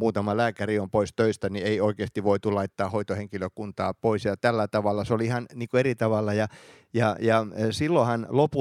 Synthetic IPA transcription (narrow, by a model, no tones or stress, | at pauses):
muːt̪ɑmɑlæːkæriompoist̪øist̪ænieioikeːst̪iʋʋoit̪ulɑit̪ːɑːhoit̪oheŋkiløkunt̪ɑːpoisjɑt̪ælːæt̪ɑʋɑlːˑɑseoliihɑnniːŋkoerit̪ɑʋɑlːɑjɑ | jɑjɑsilːohɑnlopu